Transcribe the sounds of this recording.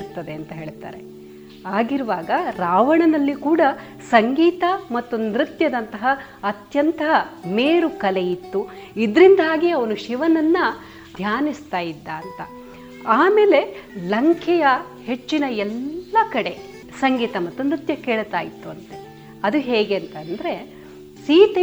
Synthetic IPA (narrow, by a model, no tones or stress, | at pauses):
ɾt̪ːɐd̪e̞ɐnt̪ɐɦe̞ːɭt̪a̰ːɾe̞ | aːɡiɾuʋaːɡɐɾaːʋɐɳɐnɐlːikuːɽɐ | sɐŋɡiːt̪ɐmɐt̪ːunɾit̪jɐd̪ɐnt̪ɐɦɐ | ɐt̪jɐnt̪ɐɦɐmeːɾukɐlejit̪ːuid̪ɾind̪ʱaːɡiɐʋɐnuʃiʋɐnɐnːɐ | jaːnist̪aːjid̪ːaːnt̪ɐ | aːmeːle̞lɐŋkʰɛjɐ | he̞t͡ʃːinɐɛlːɐkɐɽe̞ | sɐŋɡiːt̪ɐmɐt̪ːunɾit̪jɐkeːɭt̪aːjit̪ːuɐnt̪e | ɐd̪uɦeːɡeːnt̪ɐnd̪ɐɾe̞ | siːt̪e